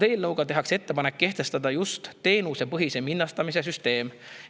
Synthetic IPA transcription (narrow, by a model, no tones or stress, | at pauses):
e̞ːlnɤwɡ̥ɑt̪e̞ɦɑkse̞t̪ːe̞pɑnekːe̞ht̪e̞st̪ɑd̪̥ɑjust̪ːe̞ːnusepɤɦise̞minːɑst̪ɑmis̬e̞s̬yst̪e̞ːm